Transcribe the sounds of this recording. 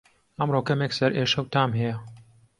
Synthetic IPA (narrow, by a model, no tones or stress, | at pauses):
ɐmroːkɐmeksɐɾʔeːʃɐwt̪aːmɦɛjɛ